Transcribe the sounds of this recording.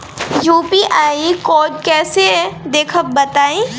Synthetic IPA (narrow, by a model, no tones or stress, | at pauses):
juːpiʔaːikɔːd͡ʒkɛːsed̪eːkʰəb̚bɐt̪aːẽː